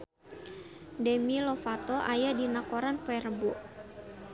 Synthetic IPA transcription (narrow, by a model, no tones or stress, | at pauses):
dɛmilɔfat̪ɔʔa̰jadinakoɾanpɛrəboʔ